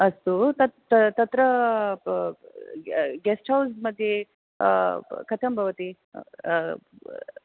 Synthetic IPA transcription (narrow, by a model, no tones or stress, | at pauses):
ɐst̪ut̪ɐ | t̪ɐt̪ɾə | ɡɛsʈɦawzmɐd̪ʱje | kʰɐt̪ʰɐmbʱɐʋɐt̪i